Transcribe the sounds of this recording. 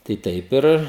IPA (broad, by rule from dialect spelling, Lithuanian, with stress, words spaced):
tɐɪ ˈtɐɪp ɪr